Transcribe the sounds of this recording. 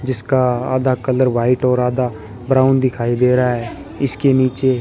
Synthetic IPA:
d͡ʒɪskaa̰ːd̪akələɾʋaːɪʈɔːɾaːd̪a | bɾaːʊnd̪ɪkʰaːid̪eːɾəaɦɛː | ɪskeniːt͡ʃe

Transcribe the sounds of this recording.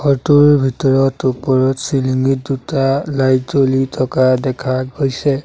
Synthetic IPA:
hɔɹtuɹbʱitɔɹɔtupɔɹɔtsiliŋɡit̚dutalajdolitʰɔkadɛkʰaɡojsɛ

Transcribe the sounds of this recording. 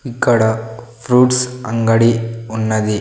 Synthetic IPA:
ikːɐɽɐfɾuːʈsɐŋɡɐɽiʊnːɐði

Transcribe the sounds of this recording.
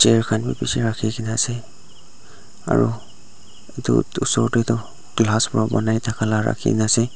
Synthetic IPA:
t͡ʃɛɹkʰanbipisiɹakʰikinaasɛ | a̰ɹu | etṵtusɔɹtetʊ | ɡ̥laspɔɹabɔnajtʰakʰalaɹa̰kʰḭnasɛ

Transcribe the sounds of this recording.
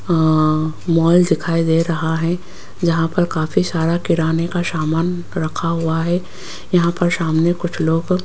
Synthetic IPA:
mɔːld̪ɪkʰaːid̪eːɾɐɦaɦɛ̃ | d͡ʒɐɦãpɐɾkaːfʰisaːɾakɪɾaːnekasaːmaːn | ɾɐkʰaɦʊaɦɛ | jɐɦãpɐɾsaːmnekʊt͡ʃʰloːɡ

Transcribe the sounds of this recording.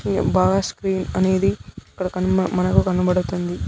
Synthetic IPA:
baːɡaːskɾiːnɐne̞ːd̪iɐkːɐɽɐkɐnuɐmɐnɐkukɐnubɐɽut̪und̪i

